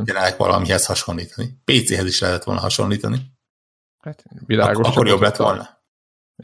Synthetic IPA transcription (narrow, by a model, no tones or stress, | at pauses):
ɛɾɛlɛkʋɒ̰lʔɒ̰miɦɛshɒʃo̞nliːt̪ɒnipeːt̪seːɦɛziʃlɛɦɛt̪ɛt̪ʋo̞̰lɒɦɒʃo̞̰nliːt̪ɒni | hat̪ʋila̰ːɡoɒkːo̞ɾjo̞blɛt̪ːʋo̞̰lnɒ